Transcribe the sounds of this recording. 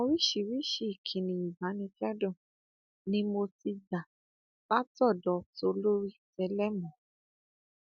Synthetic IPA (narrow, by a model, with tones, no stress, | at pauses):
mɔ̃˧ɾi˦ʃi˨wi˦ʃi˦i˨kʰĩ˨nĩ˨i˨ba˨˦nĩ˧d͡ʒa˦dɔ̃˦˨ | nĩ˧˦mo˧ti˧da˨ | ba˦tɔ˦˨dɔ˨˦to˧lo˦ɾi˦tɛ˧lɛ˦mɔ̃˨˦